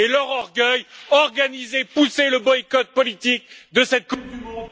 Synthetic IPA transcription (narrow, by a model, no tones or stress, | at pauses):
elœʁɔʁɡœjɔʁɡanizepuseləbɔikɔt̪̚pɔlit̪ik̚d̪əsɛt̪̚k